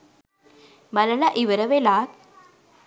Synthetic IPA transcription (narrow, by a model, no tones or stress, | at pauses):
mɐlɐlaʔɪʋɐɾɐʋelaːk̚